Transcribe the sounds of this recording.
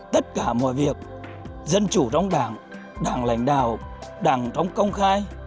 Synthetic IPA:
t̪ə˦˥t̚kaː˧˩mɔ̰˧˨jvi˨˩ək̚ | zə˧nt͡ɕu˧˩t͡ɕɔ˧wŋ͡mɗaː˧˩˦ŋ | ɗaː˨˧˩ŋla̰˨˦jŋ̟ɗa̰ː˧˩˨wɗaː˧˩ŋt͡ɕɔ˧wŋ͡mkə˧wŋ͡mxaː˧j

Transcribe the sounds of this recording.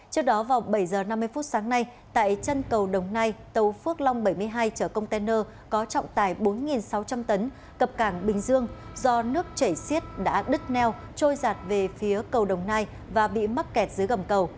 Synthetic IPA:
t͡ɕɨ˦˥ək̚ɗɔ˨˦vaː˨˩wɓə˧˩jzəː˨˩na˧mː˧əjfu˦˥t̚saː˨˦ŋna˧j | t̪a̰ː˧˨jt͡ɕə˧nkə˨˩wɗə˨˩wŋ͡mnaː˧jt̪ə˨˩wfɨ˦˥ək̚la˧wŋ͡mɓə˧˩jmɨ˧əjɦaː˧jt͡ɕəː˧˩kə˧wŋ͡mt̪ɛ˧nəː˧ | kɔ˨˦t͡ɕɔ̰˧˨wŋ͡mt̪a̰ː˧˩jɓo˨˦nŋi˨˩nsa˨˦wt͡ɕa˧mt̪ə˨˦n | kə˨˩p̚kaː˧˩ŋɓï˨˩ŋ̟zɨ˧əŋzɔ˧nɨ˦˥ək̚t͡ɕə˧˩jsi˦˥ət̚ɗa̰ː˧˥ɗɨ˦˥t̚nɛ˧w | t͡ɕo˧jzaː˨˩t̚ve˨˩fi˨˦əkə˨˩wɗə˨˩wŋ͡mnaː˧j | vaː˨˩ɓḭ˧˨ma˦˥t̚kɛ˨˩t̚z̥ɨ˨˦ɣə˧˩mkə˨˩w

